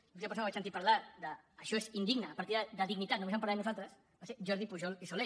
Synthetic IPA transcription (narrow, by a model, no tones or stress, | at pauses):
lut̪iapəɾsonβasənt̪ipaɾlad̪əːʃɔezind̪iɡnəːpaɾt̪iðəd̪əðiɡnit̪at̪numesampaɾlanuzalt̪ɾəs | baseɾʒɔɾðipuʒɔlisole